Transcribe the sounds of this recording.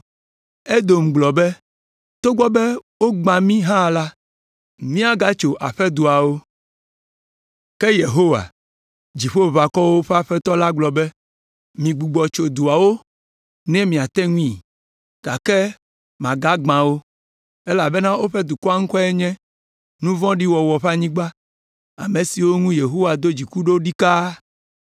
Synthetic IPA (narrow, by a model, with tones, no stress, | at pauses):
e˦d̪o˨m̩˨ɡ͡blɔ˨bɛ˦ | t̪o˦ɡ͡bɔ˦bɛ˦wo˦ɡ͡bã˨mĩ˦ɦã˦˨la˦ | mĩ˦a˦ɡa˦t͡ʃo˨ʔa˨ɸɛ˦d̪u˨a˨wo˦ | kɛ˦je˨ɦo˦wa̰˨ | d͡ʑi˨ɸo˦˨βa˨kɔ˦wo˦ɸɛ˦a˦ɸɛ˦t̪ɔ˦la˦ɡ͡blɔ˨bɛ˦ | mĩ˨ɡ͡bu˨ɡ͡bɔ˨t͡ʃo˨d̪u˨a˨wo˦ | nɛ̃˦mĩ˨a˨t̪ɛ˦ŋũ˦ĩ˨ | ɡ̥a˨kɛ˦ | mã˨ɡa˦ɡ͡bã˨wo˦ | e˦la˨bɛ˦nã˦o˦ɸɛ˦d̪u˨kɔ˦a˦ŋ̩̃˦kɔ˦ɛ˦ɲɛ̃˦ | nũ˦vɔ̃˦ɖi˦wɔ˨wɔ˨ɸa˦ɲĩ˦ɡ͡ba˦ | a̰˨mẽ˨si˨wo˦ŋũ˦je˨ɦo˦wa˨d̪o˦d͡ʑi˨ku˦ɖo˦ɖi˦ka˦